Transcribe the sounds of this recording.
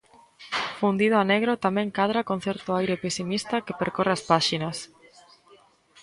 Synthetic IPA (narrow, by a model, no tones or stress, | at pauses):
fund̪iðʊaneɣɾot̪amɛ̃ŋkaðɾakoŋ̟θɛɾt̪ʊajɾepesimist̪ɐkepeɾkoreaspaʃinɐs